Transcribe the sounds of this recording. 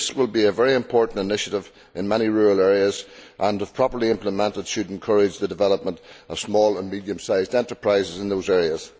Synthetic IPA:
swɪlˠbiəvɛɹiɨ̃mpʰɔɹʔn̩tɪnɪʃəɾɪv | ʔɪ̃nmɛɾ̃iɹʉːɹəlˠɛɹiəzʔə̃nəv̥pʰɹ̥ɑpə˞lˠiɪ̃mpləmɛ̃ntəd̥ʃɨd̃nkʰɜɹɪd͡ʒðədɨvɛlˠəp̚mə̃ntəv̥smɔːlˠə̃nmidiə̃msaɪzdɛ̃ntə˞pʰɹ̥aɪzɪzɪ̃nðoʊzɛɹiəz̥

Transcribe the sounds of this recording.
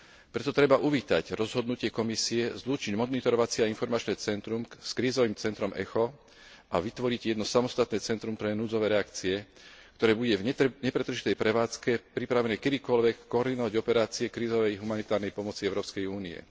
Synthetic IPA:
pɾɛt̪ɔt̪ɾɛbaʔuʋiːt̪a̰ɟɾɔzɦɔd̪nucɪɛkɔmisiɛzluːt͡ʃiɟmɔd̪it̪ɔɾɔʋat͡sɪɛainfɔɾmat͡ʃnɛːt͡sɛnt̪ɾumskɾiːzɔʋiːmt͡sɛnt̪ɾɔmɛ̰xɔ | ʔaʋit̪ʋɔɾiɟjɛd̪nɔsamɔst̪at̪nɛːt͡sɛnt̪ɾumpɾɛnuːd͡zɔʋɛːɾɛakt͡siɛ | kt̪ɔɾɛːbuɟɛvɲɛpɾɛt̪r̩ʒit̪ɛjpɾɛʋaːt͡skɛpɾipɾaʋɛnɛːkɛd̪iːkɔlʋɛkːɔːɾd̪inɔʋaɟɔpɛɾaːt͡siɛkɾiːzɔʋɛjɦumanit̪aːɾnɛjpɔmɔt͡siɛʊɾɔːpskɛjuːniɛ̰

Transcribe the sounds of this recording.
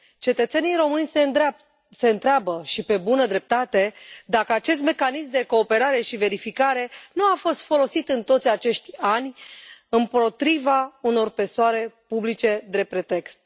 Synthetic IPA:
t͡ʃe̞t̪ət̪se̞nijɾo̞mɨnʲs | se̞ɨnt̪ɾeabəʃipe̞bunəd̪ɾe̞p̚t̪at̪e̞d̪akəat͡ʃe̞s̬t̪me̞kanismd̪e̞ko̞ːpe̞ɾaɾe̞ʃive̞ɾifikaɾe̞nuafo̞st̪fo̞lo̞sit̪ɨnt̪o̞t̪sʲat͡ʃe̞ʃt̪ʲanʲɨnpo̞t̪ɾivauno̞rpe̞soaɾe̞publit͡ʃe̞d̪e̞pɾe̞t̪e̞kst̪̚

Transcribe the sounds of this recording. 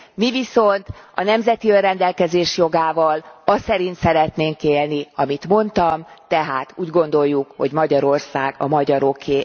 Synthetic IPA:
miviso̞nt̪ɒ̰nɛmzɛt̪iørrɛnd̪ɛlkɛzeːʃjo̞ɡaːvɒlɒsɛɾint̪sɛɾɛt̪neːŋkeːlniɒmit̪mo̞nt̪ɒmt̪ɛɦaːt̪uːɟɡo̞nd̪o̞jːukho̞ɟmɒɟɒɾo̞rsaːɡɒ̰mɒɟɒɾo̞kʰːeː

